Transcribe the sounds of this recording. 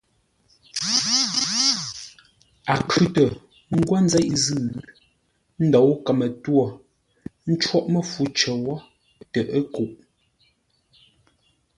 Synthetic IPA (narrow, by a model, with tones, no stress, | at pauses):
a˨kʰʉ˦tə˨ | ŋ̩˦ɡwa˦n̩˦zɛ˦ʔzʉ˦˨ | n̩˦dɔ˨˦wkə˨mə˨twɔ˨ | n̩˦t͡ʃwɔ˦ʔmə˦˨fu˨˦t͡ʃə˨wɔ˦ | tə˨ʔə˦ku˨ʔ